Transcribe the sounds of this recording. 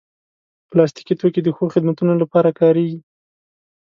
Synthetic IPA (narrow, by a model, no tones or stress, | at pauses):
plɑst̪i̥kit̪oked̪əxoxɪd̪mat̪unolapɑɾakɑɾeɡi